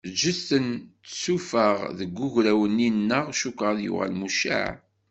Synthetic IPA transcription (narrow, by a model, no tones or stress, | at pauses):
d͡ʒəst̪əntːsufəʁðəɡːuʝɾæwənːinːəʁʃukʁaðjʊ̰ʁæ̰lmuʃa̰ʕ